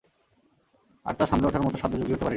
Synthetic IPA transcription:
a̰ɾt̪aʃamleɔʈʰaɾmɔt̪oʃad̪ːod͡ʑoɡɾikoɾt̪epaɾe

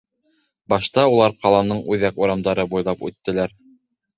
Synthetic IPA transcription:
bɑʃt̪ɑulˠɑɾqɑlˠɑnɤɴʉðækuɾɑmd̪ɑɾɤbujlˠɑpʉ̰t̪ːɘ̆læɾ

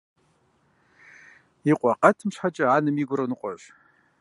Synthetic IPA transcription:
iqʷʼaqʼatʰɨmʂʷħat͡ʃʼaanɨmiɡʷʊrɨnɨqʷʼɔ̰ʒ

